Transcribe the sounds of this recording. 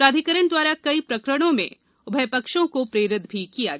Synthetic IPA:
pɾaːd̪ʱikəɾəɳ̃d̪waːɾakɐipɾɐkɾəɽ̃õmḛ̃ | ʊbʱɐjpɐkʃõkopɾeːɾɪd̪bʱikijaɡ

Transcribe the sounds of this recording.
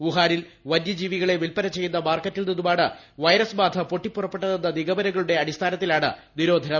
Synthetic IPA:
uɦaːɾil | ʋɐnjɐd͡ʑiːʋiɣɐɭeʋilpɐɾɐt͡ɕːe̞jːunːɐmaːrkɐtːilneðumaːɳɨ | ʋɐjɾɐsmaːt̪ʰɐpo̞ʈːipːurɐpːe̞ʈːɐðenːɐniɣɐbɐnɐɣɐɭuɽe̞ɐɽist̪ʰaːnɐt̪ːilaːɳɨ̰niɾo̞ːd̪ʱɐnɐ

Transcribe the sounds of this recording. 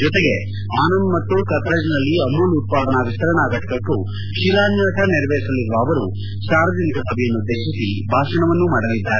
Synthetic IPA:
d͡ʒɔt̪eɡe̞ | aːnɐndmɐt̪ːukɐt̪ɾɐd͡ʒɐnɐlːiɐmuːlut̪̚paːd̪ɐɳɐʋist̪ɐɾɐɳaːɡɐʈɐ̥kɐkːu | ʃiɾaːnd͡ʒɐɐʈɐniɾɐʋeːɾisɐlːiɾʋɐːʋɐɾu | ʃaːɾɐd͡ʒɐnikɐsɐbʱɛjɐnːud̪ʱːeːʃisi | bʱaːʃɐɳɐʋɐnːumaːɽɐlːid̪ːaːɾe

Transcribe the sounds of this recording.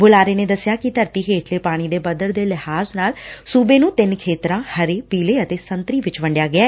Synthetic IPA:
bʊlaːɾeːneːd̪əsːɪjaːkɪt̪əɾt̪iːɦeːʈʰleːpaːɽ̃iːd̪eːbəd̪əɾd̪eːlɪhaːznaːlsuːbeːnũːt̪ɪnkʰeːt̪ɾãːhəɾeːpiːleːət̪eːsənt̪ɾiːʋɪt͡ʃʋə̃ɳɖɪjaːɡɪɛː

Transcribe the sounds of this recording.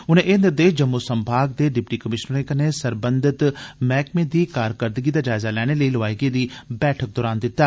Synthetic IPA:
ʊnẽːʔeːnd̪əɾd̪eːd͡ʒəmːusəmbʱaːɡ̚d̪eːɖɪpʈiːkəmɪʃnəɾeːkənesəɾbənd̪ʱɪt̪mɛːkmẽːd̪iːkaːɾkəɾd̪əɡiːd̪aːd͡ʒaːɪzaːlɛːɽ̃eːləiːləʋaːiːɡeːd̪iːbɛːʈʰək̚d̪ɔːɾaːnd̪ɪt̪ːaː

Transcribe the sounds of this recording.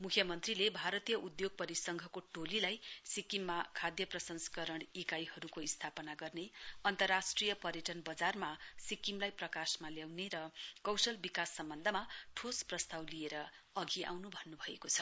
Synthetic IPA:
mukʰjʌmʌnt̪rilebʱaɾʌt̪ijʌʔud̪joɡ̚pʌɾisʌŋɡʱʌkoʈolilajsikimːakʰad̪jʌprʌsʌnsʌ̥kʌɾʌɽ̃ikajhʌɾukoist̪ʰapʌnaɡʌrneʌnt̪ʌrːasʈrijʌpʌɾjeʈʌnbʌd͡zarmasikimlajprʌkasmaljawneɾʌkʌwsʌlbikasːʌmbʌnd̪ʱʌmaʈʰosprʌst̪awlijeɾʌ | ʌɡiʔa̰wnubʱʌnːubʱʌekot͡sʰʌ̥

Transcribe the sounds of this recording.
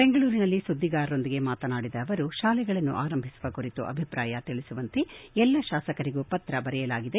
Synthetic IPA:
beŋɡɐɭuːɾinɐlːisud̪ʱːiɡaːɾo̞nd̪iɡe̞maːt̪ɐnaːɽid̪ɐːʋɐɾuʃaːlɛɡɐɭɐnːṵʔaːɾɐmbʱisuʋɐkuɾit̪ṵʔɐ̰bʱipɾaːjɐt̪iɭisuʋɐnt̪eɛlːɐʃaːsɐkɐɾiɡupɐt̪ɾɐbɐɾɛjɐlaːɡid̪e

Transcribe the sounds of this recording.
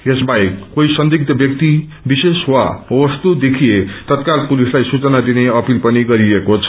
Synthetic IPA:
esbajkoisʌnd̪ik̚t̪ʌbjʌk̚t̪i | biseswawʌst̪ud̪ekʰijet̪ʌt̪̚kalpulislajsut͡sʌnad̪ineʌpilpʌniɡʌɾiʌkot͡sʰʌ̥

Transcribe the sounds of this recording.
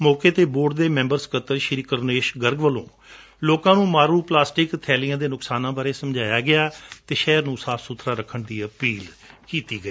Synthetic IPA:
mɔːkeːt̪eːboːɖ̚d̪eːmɛ̃ːmbəɾskət̪əɾʃɪɾiːkəɾneːʃɡəɾɡʋəlõ̰ː | loːkãːnũːmaːɾuːplaːsʈɪkt̪ʰɛːlɪjãːd̪eːnʊksaːnãːbaːɾeːsəmd͡ʒaːjaːɡɪaːt̪eːʃɛːɾnũːsaːpʰsut̪ʰɾaːɾəkʰːəɳd̪iːəpiːlkiːt̪iːɡəiː

